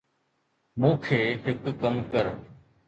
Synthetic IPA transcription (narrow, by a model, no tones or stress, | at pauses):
mũːkʰeːɦɪkːəmkəɾ